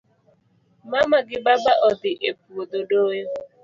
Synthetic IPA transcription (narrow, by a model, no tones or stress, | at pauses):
mamaɡɪbabaʔɔdɪʔep̚uododo